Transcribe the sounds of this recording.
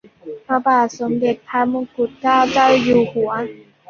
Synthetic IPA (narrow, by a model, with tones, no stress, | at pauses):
pʰɾa˧baː˨˩t̪̚so˨˩˦mde˨˩t̪̚pʰa˧mu˧ku˨˩t̪̚kaː˥˩wt͡ɕa˥˩wjuː˨˩hu˨˩˦ɐ